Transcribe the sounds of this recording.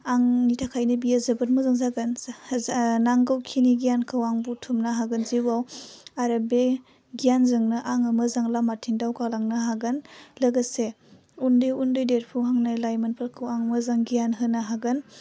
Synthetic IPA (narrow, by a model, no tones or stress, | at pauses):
aŋnitʰakʰajnɯbijazɯbɯt̚muzɯŋzaɡɯn | naŋɡɯwkʰiniɡijankʰɯwaŋbutʰumnaɦaɡɯnziwawaɾabe | ɡijanzɯŋnɯʔaŋɐmɯzaŋlamatʰiŋdawkalaŋnaɦaɡɯnlɯɡase | undɯjundɯjdeɾ̚pʰɯwɦaŋnalajmanpʰalkʰɯwaŋmɐzaŋɡijanɦɯnaɦaɡɯn